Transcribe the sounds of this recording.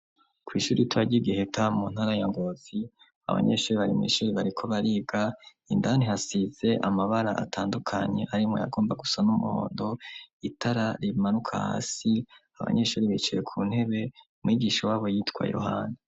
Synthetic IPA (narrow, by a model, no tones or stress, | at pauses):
kwiʃuːɾituaɟiɡihetamun̥haɾajaŋɡozi | a̰βa̰ɲe̞ʃuːɾiβaɾimŋḭːʃuːɾiβaɾikʰo̞βaɾiːbɡa | indanihasize̞ʔamaβaɾaʔa̰tʰaːndukʰaɲe̞ʔaɾimŋo̞̰ja̰ɡo̞ːmbaɡusanumuho̞̰ːndo̞itaɾaɾimanukʰa̰ha̰ːsiaβa̰ɲe̞ʃuːɾiβit͡ʃuje̞kʰun̥he̞βe̞umŋiːɡiʃawaːβo̞jiːtkwa̰jo̰ɦa̰ːni